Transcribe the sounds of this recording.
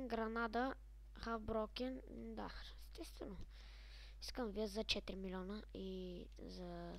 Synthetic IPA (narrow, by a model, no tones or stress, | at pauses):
ɡɾɐnad̪ə | xafbɾɔkʲɛn | d̪a̰ɛst̪ɛst̪vɛno | iskəmvid̪t̪zɐt͡ʃɛt̪ɾimilʲɔnəi | zɐ